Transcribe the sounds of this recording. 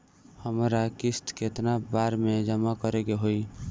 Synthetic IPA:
həmɾakist̪ket̪nabaɾmed͡ʒəmakəɾekeɦoi

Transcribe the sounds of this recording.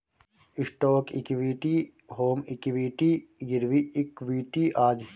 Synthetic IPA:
ɪsʈoːkḭkʋiːʈiɦoːmɪkʋiːʈiːɡiɾʋiɪkʋiːʈiːʔaːd͡ʒ

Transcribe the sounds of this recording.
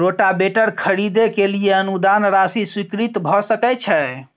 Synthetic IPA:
ɾoʈabeʈəɾkʰəɾid̪ekelijeənud̪anɾasiswikɾit̪bʱɔsəkɛt͡ʃʰɛ

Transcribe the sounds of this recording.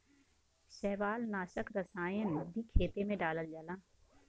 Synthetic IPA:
ʃɛːʋaːlnaːʃəkɾɐsaːẽnɐbʱikʰeːt̪emẽɖaːləld͡ʒalãː

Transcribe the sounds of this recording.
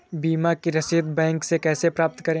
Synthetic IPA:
biːmakiɾɐsit̪̚bɛ̃ːŋksekɛːsepɾaːp̚t̪kɐɾẽ

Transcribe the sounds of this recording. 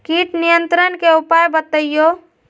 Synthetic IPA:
kiʈnijənt̪ɾənkeupajbət̪əjjo

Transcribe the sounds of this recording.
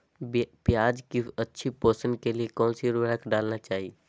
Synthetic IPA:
pjaːd͡ʒkiɐtːʃʰipoːsənkeliekɔ̃ːnsiɾuɾəkʰɖaːlnat͡ʃaːɦi

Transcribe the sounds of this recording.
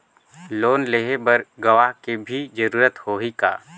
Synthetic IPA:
loːnleɦebəɾɡɐʋaɦkebʱid͡ʒəɾuːɾət̪hoːɦika̰ː

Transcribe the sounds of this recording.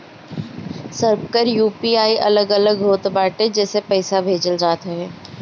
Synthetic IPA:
səɾp̚kəɾjuːpiaːiʔɐ̰ləɡɐləɡɦoːt̪baːʈẽd͡ʒɛːsepɐɪsabʱeːd͡ʒəld͡ʒaːt̪eɦɛː

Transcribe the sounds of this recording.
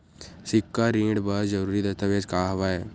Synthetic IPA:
sɪkːaɾĩːɖbəɾd͡ʒəɾuːɾid̪əst̪aʋeːd͡ʒkaːɦɐʋaɛː

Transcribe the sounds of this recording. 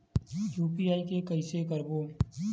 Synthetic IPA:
juːpiaːikekɐɪsekəɾboː

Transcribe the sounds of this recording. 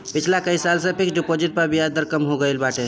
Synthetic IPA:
pit͡ʃʰlakəisalsə̃pʰiksɖipod͡ʒiʈ̚pəɾbijad̪əɾkəmɦoɡəɪlbaʈe

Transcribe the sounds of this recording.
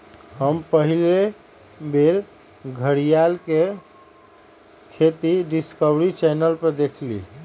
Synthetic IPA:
həmpəɦile | beɾ | ɡʱəɽijalke | kʰet̪iɖiskəbɾit͡ʃɛnəlpəɾd̪ekʰlḭ

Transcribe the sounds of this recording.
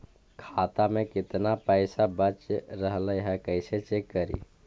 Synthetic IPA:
kʰat̪amẽkɪt̪napɛɪsabət͡ʃɾəɦləjɦɛkəɪset͡ʃekːəɾḭ

